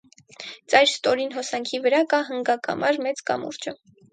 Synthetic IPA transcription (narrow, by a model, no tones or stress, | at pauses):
t͡sɑjɾst̪ɔɾinɦɔsɑŋkʰivəɾɑkɑɦəŋɡɑkʰɑ̰mʔɑɾmɛt͡skɑ̰mṵɾt͡ʃə